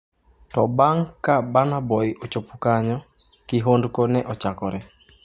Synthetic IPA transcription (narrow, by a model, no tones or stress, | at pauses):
tɔbaŋkabanabɔjʔot͡ʃopukaɲɔ | kiɦondkonɛʔɔt͡ʃakɔɾɛ